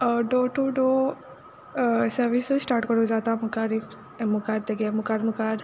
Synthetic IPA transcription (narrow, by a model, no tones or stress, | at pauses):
ɖoːʈuɖo | sɐɾʋisosʈaːɾʈkɔɾod͡ʒaːt̪amʊkaɾif | mʊkaːɾt̪eɡemʊkaːɾmʊkaːɾ